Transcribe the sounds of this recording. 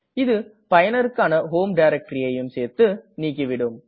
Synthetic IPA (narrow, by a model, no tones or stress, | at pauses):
ɪðɯ | pɐjɐnɐɾɯkːaːnɐɦoːmɖɐɪɾɛk̚ʈɾɪɐjɯmseːɾt̪ɯniːk̬ːɪʋɪɽɯm